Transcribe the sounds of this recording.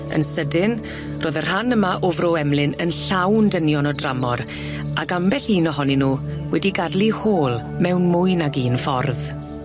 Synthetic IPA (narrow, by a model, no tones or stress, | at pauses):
ə̰nsədɪn | rʔoːðər̥hanəmaʔʊvroɛmlˠɪnənɬawndənjɔnɔdramɔɾ | aɡambɛɬiːnɔɦɔninuː | wɛdiɡadlˠihoːlˠ | mɛwnmʊjnaɡiːnfɔrð